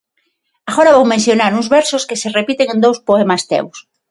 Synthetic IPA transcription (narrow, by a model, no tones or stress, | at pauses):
aɣoɾaβowmẽnθjonaɾuŋzβɛɾsoskeserepit̪eŋẽnd̪owspoemast̪ḛws